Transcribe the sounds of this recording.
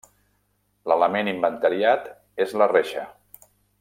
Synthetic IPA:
lələmenimbənt̪əɾiat̪ | ezləreʃə

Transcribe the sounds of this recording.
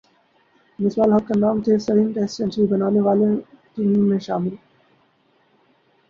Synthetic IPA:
mɪswaːlɦɐkkanaːmt̪ʰeːsɐɾĩnʈɛːst͡ʃɐ̃nsɾibɐnaːneʋaːle | ʈiːmːẽʃaːmɪl

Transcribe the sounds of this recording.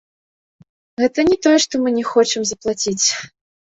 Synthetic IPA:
ɣɛt̪ɐnʲɛt̪ɔjɛʂt̪ɔmɨnʲɛxɔt͡ʂɨmzɐplˠat͡sʲit͡sʲ

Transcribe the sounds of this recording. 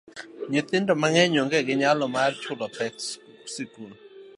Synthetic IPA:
ɲet̪ɪndɔmaŋɛɲwɔŋɡɛɡɪɲalɔmart͡ʃʰʊlɔt̪ɛk̚s | sikun

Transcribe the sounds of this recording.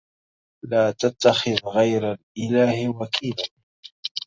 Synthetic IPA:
laːt̪at̪ːaxɪðɣajɾalʔɪlaːhwakʰiːla

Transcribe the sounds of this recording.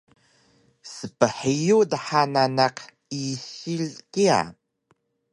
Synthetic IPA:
səpəħijudaħananaq | iɕilkia̰

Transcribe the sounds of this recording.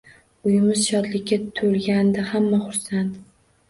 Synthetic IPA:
ʊjɪmɪzʃɒt̪lɪkʲːat̪ʰolɡʲand̪ahamːaχʊɾsant̪

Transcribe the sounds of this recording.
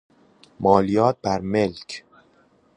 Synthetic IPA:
mɒːlijɒːt̪̚bæɾme̞lcʰ

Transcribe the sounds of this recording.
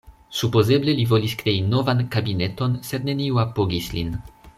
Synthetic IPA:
supo̞ze̞ble̞livo̞liskɾe̞ino̞vankabine̞to̞nse̞dne̞niuapo̞ɡislin

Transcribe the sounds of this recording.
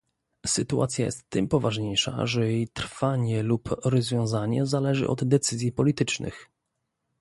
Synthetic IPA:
sɘt̪uʔat̪sʲjajɛ̰st̪ːɘmpɔvaʐɲejʂa̰ʐɛjejt̪ɾfaɲɛlupɾɔzvʲjɔ̃w̃zaɲɛ̰zalɛʐɘ̰ʔɔ̰d̪d̪ɛt̪sɘzʲjipɔlʲit̪ɘt͡ʂnɘ̰x

